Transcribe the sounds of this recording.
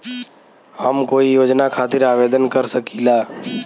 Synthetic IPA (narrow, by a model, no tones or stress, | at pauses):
həmkoːijoːd͡ʒnakʰaːt̪ɪɾaːʋeːd̪ənkəɾsəkilaː